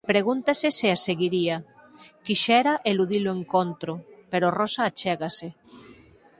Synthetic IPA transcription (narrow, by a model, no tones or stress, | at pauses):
pɾeɣ̞unt̪aseseaseɣiɾiakiʃɛɾaʔeluðiloeŋkont̪ɾopeɾorosaːt͡ʃɛɣase